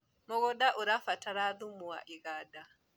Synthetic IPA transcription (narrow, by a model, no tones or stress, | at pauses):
moɣɔdaʔoɾafataɾaðumwa̰ʔiɣada